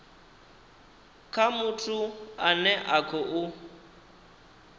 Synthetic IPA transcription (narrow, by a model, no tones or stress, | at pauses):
kʰamutʰuanɛʔakʰɔʔʊ